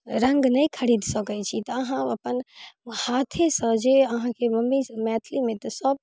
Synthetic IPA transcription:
ɾə̃ŋɡnɐĩkʰəɾiːd̪səkəjt͡ʃʰit̪ɐɐɦãɐpənhaːt̪ʰesə̃d͡ʒeɐɦãkemɐmːimɛːt̪ʰlimẽt̪ɔsəb̚

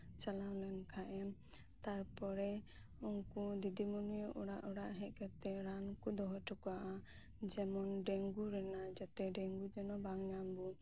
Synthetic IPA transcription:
t͡ʃalalɛnkʰaʔɛm | t̪aɾpɔɾɛ | uŋkud̪id̪imɔnijɔʔuɽaʔɔɽaʔɦɛ̃ʔ̚kat̪ɛɾankud̪ɔɦɔʈʰukaʔa | d͡ʒɛmɔnɖɛŋɡuɾɛnad͡ʒat̪ɛɖɛŋɡud͡ʒɛnɔbaŋɲambu

